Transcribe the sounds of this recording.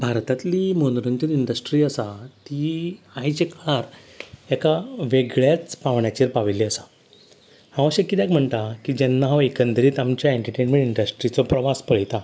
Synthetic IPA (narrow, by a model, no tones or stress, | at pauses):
bʱaɾt̪at̪liːmənɾəɲt͡ɕəɾiɳɖəsʈɾiːəsat̪iajt͡ɕekɭaɾ | ekaʋeɡɭjat͡spaʋɳjat͡ɕiːɾpaʋilːiəsḁ | hãʋ̃əɕekːit̪jakm̤əɳt̪akid͡ʑɛnːaɦãʋekənd̪ɾiːt̪amt͡ɕjaeɳʈəʈenmẽɳʈiɳɖəsʈɾit͡sɔpɾəʋaspəɭjt̪a